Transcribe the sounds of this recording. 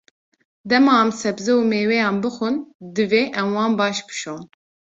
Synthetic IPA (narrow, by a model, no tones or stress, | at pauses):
d̪ɛmɑːɛmsɛbzɛumeːwɛjɑːnbɨxʊnd̪ɨveːʔɛmwɑːnbɑːʃbɨ̥ʃoːn